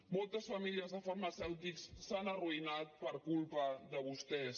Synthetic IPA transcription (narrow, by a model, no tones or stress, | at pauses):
mɔlˠt̪əsfəmiliəzðəfəɾməsɛwt̪iksːanəruinat̪̚pəɾkulˠpəðəβust̪ɛs